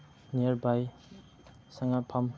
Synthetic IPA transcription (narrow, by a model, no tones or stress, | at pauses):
niaɾbaj | saŋapʰam